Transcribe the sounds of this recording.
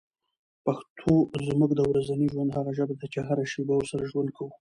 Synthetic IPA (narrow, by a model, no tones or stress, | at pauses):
paxt̪ʰozmukd̪əawɾazaniʒwand̪haɣaʒəbad̪at͡ʃeɦaɾaʃebawʊɾsaɾaʒwand̪̚kʰawu